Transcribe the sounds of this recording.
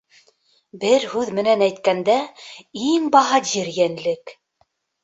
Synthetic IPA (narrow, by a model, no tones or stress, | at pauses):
bɘɾhʉðmɘ̆nænæjt̪kænd̪æiŋbɑɦɑʑiɾjænlɘk